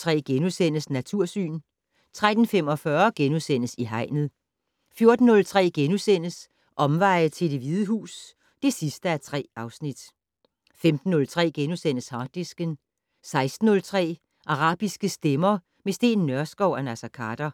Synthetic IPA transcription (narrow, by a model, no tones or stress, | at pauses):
t͡sʰʁɛ̰ːɡ̥enusen̰əsnæt͡sʰuɐ̰sy̰ːn | t͡sʰʁad̥n̩femɒ̽fɶɐɡ̥enusen̰əsiɦɑ̈ɪ̰nð̩ˠ | fjo̝ɐd̥n̩ːɔ̽lt͡sʰʁɛ̰ːɡ̥enusen̰əs | ʔɒ̽mʋɑ̈ɪ̰t͡sʰe̝d̥e̝ʋiðˠəɦṵːs | d̥e̝sisd̥əæɐt͡sʰʁɛ̰ːɑ̈ʊsnid̥ | femd̥n̩ːɔ̽lt͡sʰʁɛ̰ːɡ̥enusen̰əshɑ̈ːd̥isɡ̥ən | sɑ̈ɪsd̥n̩ːɔ̽lt͡sʰʁɛ̰ː | ʔɑ̈ʁɑ̈ːb̥isɡ̥əsd̥emɐ | mesd̥e̝̰ːnːɶɐsɡ̥ɒʊænæsækʰɑːd̥ɐ